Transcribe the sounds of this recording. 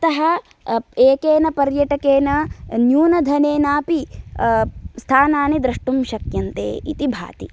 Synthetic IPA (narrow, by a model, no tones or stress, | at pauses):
ɐt̪ɐɦɐ | eːkeːnɐpɐɾjɐʈɐkeːnɐnjuːnɐd̪ʱɐneːnaːpi | st̪ʰaːnaːnid̪ɾɐʂʈumʃɐkjɐnt̪ḛːḭt̪ibʱa̰ːt̪ḭ